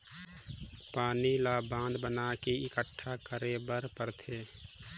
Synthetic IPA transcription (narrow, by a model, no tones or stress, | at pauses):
paːnilaːbãːnd̪bənaːkiɪkəʈʰːakəɾebəɾpəɾt̪ʰeː